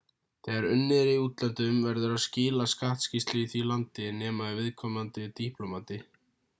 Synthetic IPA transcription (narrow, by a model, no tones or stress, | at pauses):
θɛːɣaɾʏnːɪɾiuːt̪lɛnt̪ʏmvɛɾðʏɾaðscɪːlaskaht̪scist̪lɪiθvilant̪ɪnɛːmaivɪðkʰɔmant̪ɪt̪ihplɔmat̪ɪ